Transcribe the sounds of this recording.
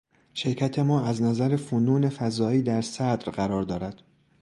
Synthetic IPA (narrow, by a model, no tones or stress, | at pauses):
ʃe̞ɾcʰæt̪ʰe̞mɒːæznæzæɾe̞funuːne̞fæzɒːiːd̪æɾsæd̪ɾɢæɾɒːɾd̪ɒːɾæd̪̥